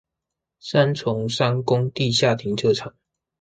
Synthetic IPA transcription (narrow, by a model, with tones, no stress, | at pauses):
sa˦nt͡sʰʊ˨˥˦ŋʂa˥ŋkʊ˦˥ŋt̪i˥˧ɕja˥˨t̪ʰi˨˥˦ŋʈ͡ʂʰɤ˥˧ʈ͡ʂʰɑ˨˩˦ŋ